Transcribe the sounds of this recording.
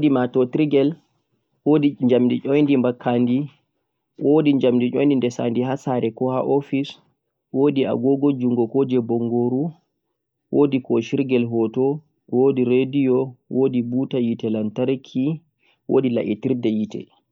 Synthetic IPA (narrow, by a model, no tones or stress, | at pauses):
wdimatɔtiɾɡɛl | wodiɲd͡ʒamdit͡ʃɔjndimbakʰːandi | wodiɲd͡ʒamdiʔɔ̰jndindɛsa̰ndiɦasaɾɛkɔhaʔofis | wodia̰ɡɔɡod͡ʒuŋɡɔkɔd͡ʒɛbɔŋɡoɾu | wʔodikɔʃiɾɡɛlɦɔtɔ | wodiɾedijɔwodibutajitɛlantaɾkʰi | wo̰ːdila̰ʔitiɾdɛjitɛ̰